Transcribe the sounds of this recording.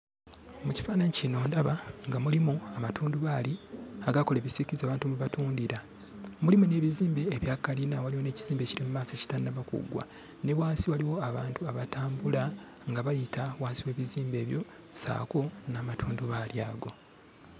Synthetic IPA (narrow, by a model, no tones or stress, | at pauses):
muci̥faːnaɲicino̞ːndaβaŋɡamulimuamatʰuːnduβaːliaɡako̞leβisikizaːβaːntumuβatuːndiɾa | mulimune̞ːβiziːmbe̞ːβjaːkalinawaliwo̞ne̞ːciziːmbe̞ciɾimumaːseci̥tannaβakṵɡwa̰ | ne̞βwaːnsiwaliwo̞aβaːntuaβataːmbula | ŋɡaβajitʰawaːnsiwe̞ːβiziːmbe̞ːβjo̞ | sa̰ːko̞naːmatʰuːnduβaljaːɡo̞